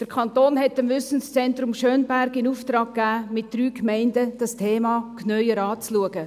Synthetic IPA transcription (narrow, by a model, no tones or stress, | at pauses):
d̥əɾkʰɑnt̪oːnɦɛtəmvʏsən̩st͡sɛnt̪rʊmʃœːnbæɾɡɪnuːft̪ɾɑːkːæːmɪt̚d̥ɾyːkmɛɪndəd̥ɑstʰeːmɑːknœʏəɾɑːt͡sluəɡə